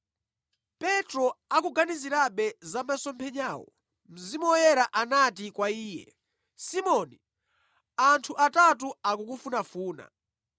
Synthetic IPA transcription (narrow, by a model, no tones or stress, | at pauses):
pɛtɾɔakuɡaniziɾaɓɛzamasɔmpʰɛɲaːwɔ̰ | m̩zimɔjɛɾaʔanatikwaiːjɛ̰ | simɔni | antʰuʔatat̬uakukufunafuːna̰